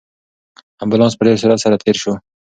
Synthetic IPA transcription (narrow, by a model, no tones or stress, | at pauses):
ambʊlɑ̃nspəɖeɾseɾalsaɾat̪ʰeɾʃo